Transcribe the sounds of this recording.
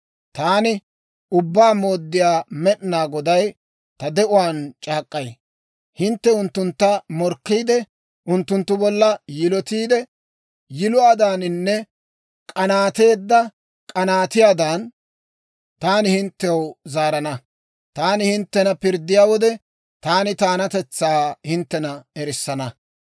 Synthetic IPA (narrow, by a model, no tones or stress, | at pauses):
t̪aːnɪ | ʊbːaːmoːd̪ːɪjaːmɛʔnaːɡɔd̪ɐj | t̪ɐd̪ɛʔʊwaːnt͡ʃʼaːkʼːɐj | hɪnt̪ːɛʊnt̪ːʊnt̪ːɐmɔɾkːiːd̪ɛ | ʔʊnt̪ːʊnt̪ːʊbɔlːɐjɪlɔt̪iːd̪ɛ | jɪlʊaːd̪aːnnːɛ | kʼɐnaːt̪e̞ːd̪ːɐ | kʼɐnaːt̪ɪjaːd̪aːn | t̪aːnɪhɪnt̪ːɛwzaːɾɐnɐ | t̪aːnɪhɪnt̪ːɛnɐpɪɾd̪ːɪjaːwɔd̪ɛ | t̪aːnɪt̪aːnɐt̪ɛt͡sːaːhɪnt̪ːɛnɐɛɾɪsːɐnɐ